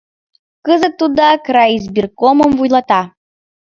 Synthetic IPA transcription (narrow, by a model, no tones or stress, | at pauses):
kəzət̪ːud̪ɑkɾɑjizbʲirkomə̆mvujlˠɑt̪ɑ